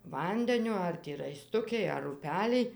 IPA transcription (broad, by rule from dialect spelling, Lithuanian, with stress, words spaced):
ˈʋɐnʲdʲɛnʲoː ˈɐr tʲɪ rɐɪˈstʊkʲɪj ɐr ʊˈpʲæːlʲɪj